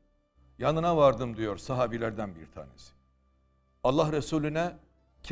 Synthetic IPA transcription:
janɯnavaɾd̪ɯmd̪ijo̞ɾsaɦaːbilʲæɾd̪ænbḭɾt̪ʰa̰ːnḛsi̥ | alˠːahɾesuːlʲynɛ | cʰ

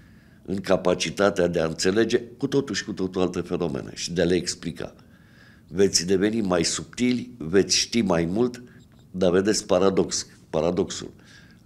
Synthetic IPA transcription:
ɨŋkapat͡ʃit̪at̪ead̪e̞aɨnt̪se̞le̞d͡ʒe̞kut̪o̞t̪uʃʲkut̪ot̪oalt̪efe̞no̞mḛne̞̰ʃid̪ealeːksplika̰ | ve̞t̪sʲd̪e̞ve̞nimajsup̚t̪ilʲve̞t̪sʲʃt̪imajmult̪ | d̪ave̞d̪e̞tsʲpaɾad̪o̞ks | paɾad̪o̞ksṵl

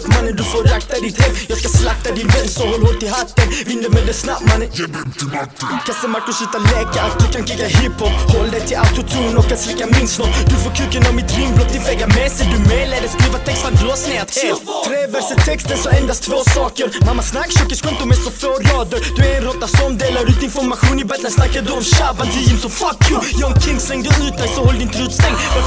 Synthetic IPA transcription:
pmanːənd̪ɵfoːɾakt̪ad̪ɪt̪hɛmːjɑːskaslap̚t̪ad̪ɪnmɛnsɔhɔlːhoːɡ̪̚t̪ʰɪlhɦat̪ːənvɪnd̪əmɛd̪ɛsnapmanːən | kʰasɛmaɾkʊsit̪ːalɛːkaat̪̚d̪ʉkʰankʰɪkːaɦɪphɔphɔlːd̪ɛjt̪ʰɪlaʊt̪ʊt̪ʰuːnɔkʰːansɾɛkːamɪnsnɔd̪ʉfoːɾkʰʉkːənɔmːɪt̪ɾɪmblɔk̚t̪ʰɪvɛɡːamɛsɛd̪ʉmɛlɛlːəskɾiːvat̪ʰɛkst̪ad̪ʉhasnɛt̪t̪ʰɾeːvɛɾsət̪ʰɛkst̪ənsɔɛnd̪ast̪ʰvoːsɑːkəɾmamːasnakːsɔkːəskʰɔmt̪ʊmɛsɔfoːɾɑːd̪əɾd̪ʉɛɾɛnɾɔt̪ːasɔmd̪eːlaɾʉːt̪ɪnfɔɾmaɧuːnɪbɛst̪asnakːad̪ʉɔmʃavant̪ʰɪjɪmsɔmfakjujɔːmkʰɪŋsɾɛŋd̪ɔsnʉːt̪̚d̪ajsɔhɔlːd̪ɪnt̪ɾʉːt̪st̪ɛŋmɛ

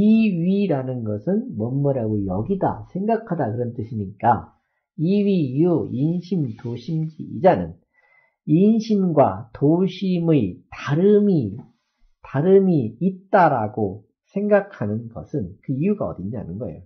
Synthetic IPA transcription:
iɥiɾanɯnɡʌsʰɯnmʌmːʌɾaɡojʌɡida̰sʰe̞ŋɡakʰadakɯɾʌnt͈ɯɕʰiɲik͈a | iɥiːjuinɕʰimtoɕʰimd͡ʑḭid͡ʑanɯn | inɕʰimɡwatoɕʰimɯitaɾɯmi | taɾɯmiːt̚t͈aɾaɡo | sʰe̞ŋɡakʰanɯnɡʌ̰sʰɯnkɯijuɡaʌ̰diɲa̰nɯnɡʌḛjo

